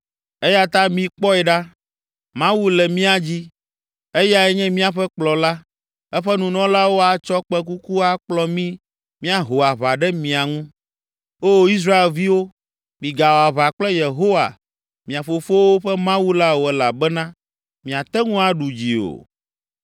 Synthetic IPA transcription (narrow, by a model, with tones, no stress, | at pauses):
ɛ˦ja˦t̪ã˦mĩ˨k͡pɔ˦ɛ˨ɖa˦ | mã˦wu˦lɛ˨mĩ˦a˨d͡ʑi˦ | e˦ja˦ɛ˦ɲɛ̃˦mĩ˦a˨ɸɛ˦k͡plɔ˨la˦ | ɛ˦ɸɛ˦nũ˨nɔ̃˦la˦wo˦a˨t͡ʃɔ˦k͡pɛ˦k̬u˦ku˦a˦k͡plɔ˦mĩ˦ | mĩ˦a˨ɦo˨wa˨βa˨ɖɛ˦mĩ˨a˨ŋũ˦ | o˦i˦s̬ɾa˦e˨lvi˦wo˦ | mĩ˨ɡa˨wo˨a˨βa˨k͡plɛ˦je˨ɦo˦wa̰˨ | mĩ˨a˨fo˨fo˦wo˦ɸɛ˦mã˦wu˦la˦wo˨ɛ˨la˨bɛ˦nã˦ | mĩ˨a˨t̪ɛ˦ŋũ˦a˨ɖu˨d͡ʑi˨o̰˨